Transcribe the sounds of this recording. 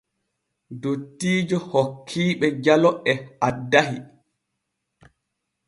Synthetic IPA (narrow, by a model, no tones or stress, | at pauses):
dotːiːd͡ʒɔhokʰːiːɓɛd͡ʒalɔʔɛʔadːahi